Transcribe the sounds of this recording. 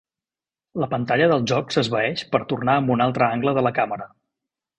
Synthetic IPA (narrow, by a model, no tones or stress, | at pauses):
ləpənt̪aʎəðəlˠʒɔksəzβəɛʃpəɾt̪urnaəmbunalˠt̪ɾəaŋɡləðələkaməɾə